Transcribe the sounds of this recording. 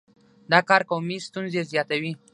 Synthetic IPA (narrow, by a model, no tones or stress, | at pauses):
d̪ɑkɑɾkawmist̪unzezjɑt̪awi